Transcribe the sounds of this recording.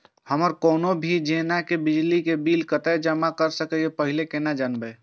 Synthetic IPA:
həməɾkoːnobʱid͡ʒenakebid͡ʒlikebilkət̪ɛd͡ʒəmakəɾsəkɛepəɦilekenad͡ʒanbə

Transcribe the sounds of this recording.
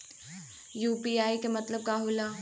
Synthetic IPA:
juːpiaːikemɐt̪ləb̚kaːɦulaː

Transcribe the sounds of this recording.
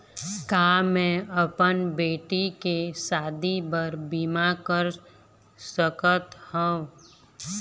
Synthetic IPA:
kaːmɛ̃əpənbeːʈikesaːd̪ibəɾbiːmakəɾ | səkət̪hɔ̃

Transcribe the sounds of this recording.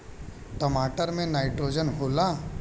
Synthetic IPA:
ʈəmaːʈəɾmẽnaːɪʈɾoːd͡ʒənɦoːla

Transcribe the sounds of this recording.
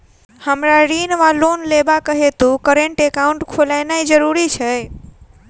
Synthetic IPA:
həmɾaɾinʋalonlebakəɦet̪ũkəɾeɳʈekauɳʈkʰolajnaid͡ʒəɾuɾit͡ʃʰɛ

